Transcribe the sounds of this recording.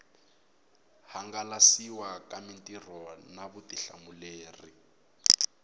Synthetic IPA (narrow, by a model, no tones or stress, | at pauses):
haŋɡalasiwakamintʼir̤ɔnaβutiɬa̰muleːri